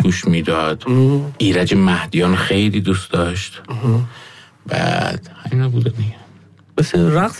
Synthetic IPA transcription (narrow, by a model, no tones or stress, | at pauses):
ɡuːʃmiːd̪ɒːd̪̥ʔiːɾæd͡ʒemæhd̪ijɒːnxejliːd̪uːsd̪ɒʃt̪ | bæ̰d̪̥hæminɒbud̪ænːeɡæ | beseɾæqs